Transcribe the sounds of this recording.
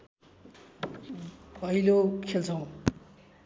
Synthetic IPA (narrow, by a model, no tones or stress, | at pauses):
bʱʌijlokʰelt͡sʰʌw̃